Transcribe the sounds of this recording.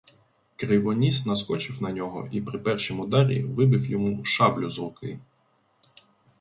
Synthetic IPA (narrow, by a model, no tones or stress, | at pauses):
kɾɪʋɔnʲisnɐskɔt͡ʃɪwnɐnʲɔɦɔ̰ʔipɾɪpɛrʃimʊd̪ɑɾʲḭʋɪbɪwjɔmuʃɑblʲʊzɾʊkɪ